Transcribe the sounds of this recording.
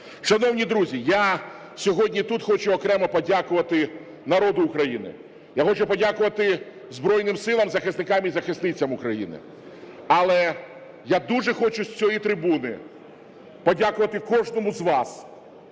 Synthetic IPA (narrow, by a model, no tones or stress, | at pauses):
ʃɐnɔwnʲid̪ɾuzʲija | sʲɔɦɔdʲnʲit̪ut̪xɔt͡ʃʊɔkɾɛmɐpɔdʲakʊʋɐt̪ɪ | nɐɾɔd̪ʊːkɾɐjinɪ̰ | jaxɔt͡ʃʊpɔdʲakʊʋɐt̪ɪ | zbɾɔjnɪmsɪlˠɐmzɐxɪsnɪkɑmizɐxɪsnɪt͡sʲɐmʊkɾɐjḭnɪ̰ | ɐlˠɛ | jad̪uʐɛxɔt͡ʃʊsʲt͡sʲɔjit̪ɾɪbunɪ | pɔdʲakʊʋɐt̪ɪkɔʒnɔmʊzʋɑs